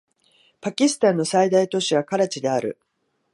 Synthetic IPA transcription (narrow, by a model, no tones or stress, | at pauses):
pakʲisɨ̥t̪ãnːo̞said̪ait̪o̞ɕiβakaɾat͡ɕid̪e̞aɾɯ̟̰